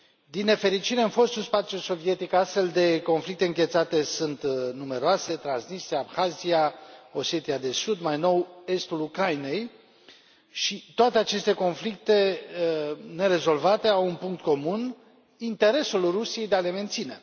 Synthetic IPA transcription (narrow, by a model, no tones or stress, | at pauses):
d̪inːe̞fe̞ɾit͡ʃiɾe̞ɨnfo̞st̪ulspat̪sʲjulso̞vije̞t̪ikast̪fe̞ld̪e̞ko̞nflik̚t̪e̞ɨŋɡʲet̪sat̪e̞sunt̪nume̞ɾoase̞t̪ɾansnist̪ɾijaːpxaziao̞sje̞t̪iad̪e̞sud̪majno̞we̞st̪ulukɾaine̞j | ʃit̪oat̪e̞at͡ʃe̞st̪e̞ko̞nflik̚t̪e̞ | ne̞ɾe̞zo̞lvat̪e̞awunpuŋkt̪̚ko̞mun | int̪e̞ɾe̞sulrusije̞jd̪eale̞me̞nt̪sine̞